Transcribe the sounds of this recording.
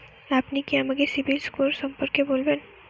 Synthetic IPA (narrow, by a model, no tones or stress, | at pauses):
aːpnekijamɐɡeɾsɪbilskoɾsɐ̃mpəɾkːeboːlben